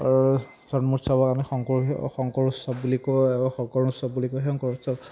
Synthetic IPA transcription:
aɹ | sɔnmusɔbɔkamixɔŋkɔxɔŋkɔɹusɔb̚bulikoɛbaxɔkɔɹusɔb̚bulikoɦɔŋkɔɹusɔb

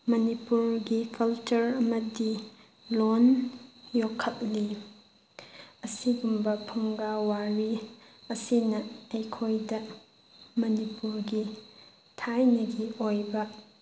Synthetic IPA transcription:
mɐnipuɾɡikɐlt͡ʃuɾɐmɐdi | lonjokʰːɐt̚li | ɐsiɡumbɐpʰuŋɡawaɾi | ɐsinɐejkʰojdɐ | mɐnipuɾɡi | tʰajnɐɡiojbɐ

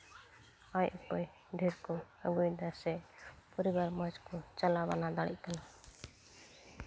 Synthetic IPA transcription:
ajkɔj | ɖʱiɾkɔəɡujd̪asɛpɔɾibaɾmɔd͡ʒkɔt͡ʃalabanad̪aɽḭʔ̚kana

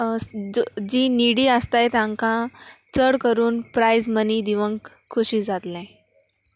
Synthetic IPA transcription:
d͡ʑiːniɽiːəst̪ajt̪ãŋkãt͡səɽkəɾuːnpɾajzməniːd̪iʋəŋk | kʰːuɕiːd͡zat̪lɛ̃

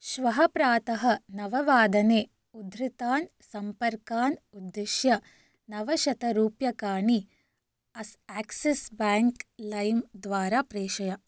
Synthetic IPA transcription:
ʃʋɐɦɐpɾaːt̪ɐɦɐ̆nɐʋɐʋaːd̪ɐneː | ud̪ɾit̪aːn | sɐmpɐɾkaːnud̪ːeʃjɐ | nɐʋɐʃɐt̪ɐɾuːpjɐkaːɳi | ɐsaːksesbaːŋklɐjmd̪ʋaːɾaːpɾeːʃɐjɐ

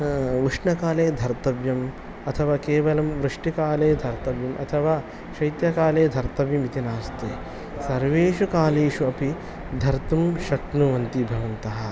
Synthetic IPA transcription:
ʋuʂɳɐkaːleːd̪ʱɐɾt̪ɐʋjɐm | ɐt̪ʰɐʋaːkeːʋɐlɐmʋɾɨʂʈikaːleːd̪ʱɐɾt̪ɐʋjɐmʔɐ̰t̪ʰɐʋaː | ʃɐjt̪jɐkaːleːd̪ʱɐɾt̪ɐʋimit̪inaːst̪eː | sɐɾʋeːʃukaːleːʃuɐpi | d̪ʱɐɾt̪umʃɐknuʋɐnt̪ibʱɐʋɐnt̪ɐɦɐ̆

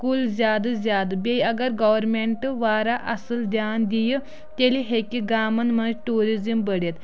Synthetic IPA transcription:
kulzʲjaːd̪ɨzʲjaːd̪ɨbʲejɐɡɐɾɡɐʋɐɾmeɳʈɨʋaːɾaʔɐsəld̪jaːnd̪ijə | t̪eliɦekiɡaːmɐnmɐnd͡ʒʈuːɾizimbəɽet̪

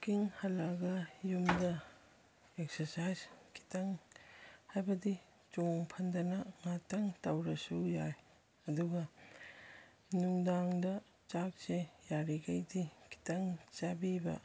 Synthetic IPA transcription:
kiŋhɐlːaɡɐjumdɐ | eksɐsajskʰi̥tɐŋ | hajbɐdi | t͡ʃoŋpʰɐndɐnɐŋatɐŋtawɾɐsujaj | ɐduɡɐ | nuŋdaŋdɐ | t͡ʃak̚sejaɾiɡajdikʰi̥tɐŋt͡ʃabibɐ̰

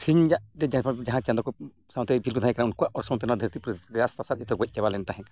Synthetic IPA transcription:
siɲd͡ʒaʔd̪ɛd͡ʒd͡ʒaɦãt͡ʃand̪ɔkɔ | sãw̃t̪ɛbʱilkɔd̪ãjkaɾaunkuaʔʔɔɾsɔ̃wt̪ɛnad̪ʱəɾt̪ipɾasasat̪ɛt̪ɔɡɔc̚ˀt͡ʃɛbalɛnt̪aɦɛ̃

